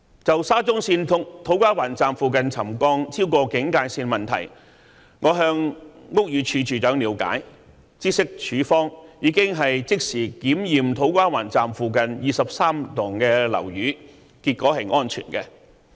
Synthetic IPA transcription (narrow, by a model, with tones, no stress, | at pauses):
t͡sɐ˨wsaː˥t͡sʊ˥ŋsiː˧nt̪ʰʊ˨ŋ̚t̪ʰo˨˥wkʷaː˥waː˨˩nt͡saː˨mfuː˨kɐ˨nt͡sʰɐ˨˩mkɔː˧ŋt͡sʰiː˥wkɔː˧kɪ˨˥ŋkaː˧jsiː˧nmɐ˨nt̪ʰɐ̰˨˩j | ŋɔː˨˧ɦœː˧ŋŋʊ˥k̚jyː˨˧t͡ʃʰyː˨˧t͡ʃyː˨jœː˨˥ŋliː˨˧˥wka̰ː˨˥j | t͡siː˥sɪ˥k̚t͡ʃʰyː˨˥fɔː˥ŋjiː˨˧kɪ˥ŋɦɐ˨jt͡sɪ˥k̚siː˨˩kiː˨˥mjiː˨mt̪ʰo˨˥wkʷaː˥waː˨˩nt͡saː˨mfuː˨kɐ˨njiː˨sɐ˨p̚saː˥mt̪ʊ˨˩ŋkɛː˧lɐ̰˨˩wjyː˨˥ | kiː˧t̚kɔː˨˥hɐ˨jʔɔː˥nt͡ʃʰy̰ː˨˩nkɛː˧